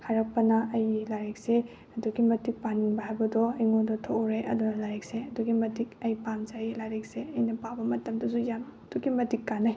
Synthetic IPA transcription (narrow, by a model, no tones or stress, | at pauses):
haɾɐk̚pɐnɐɐjlaɾek̚se | ɐduɡimɐtik̚paniŋbɐɦajbɐdɔɐjŋodɔtʰoɾeʔɐ̰dunɐlaɾekseɐduɡimɐdikɐjpanzajlaɾek̚seɐjnɐpabɐmɐtɐmdɐsujamd̥uɡimɐtikːanaj